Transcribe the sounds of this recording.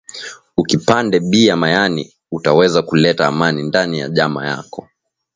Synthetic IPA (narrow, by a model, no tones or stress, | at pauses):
ukipandɛɓiamajanḭ | utawɛzakulɛtaːmanindanija̰ʄama̰ja̰kɔ